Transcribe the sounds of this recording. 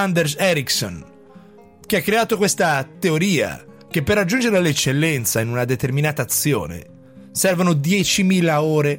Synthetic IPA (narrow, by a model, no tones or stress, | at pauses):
and̪ersɛɾikso̰n | k̟eakːɾeaːt̪okwest̪at̪eoɾiːa̰ | k̟epːerːad͡ʒːund͡ʒeɾelet͡ʃːelːɛnt̪sainunad̪et̪erminaːt̪aːt̪sːjo̰ːnḛ | sɛrvanod̪jɛːt͡ʃimiːlaoːɾe